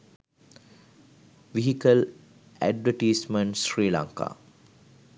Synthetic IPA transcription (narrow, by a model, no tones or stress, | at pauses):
ʋiɦikəl | æ̰ɖʋəʈiːsməɳʈsɾiːla̰ŋka̰ː